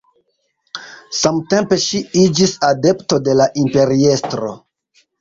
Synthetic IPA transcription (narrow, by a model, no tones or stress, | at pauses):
samte̞mpe̞ʃiid͡ʒisade̞pto̞de̞laʔimpe̞ɾie̞stɾo̞̰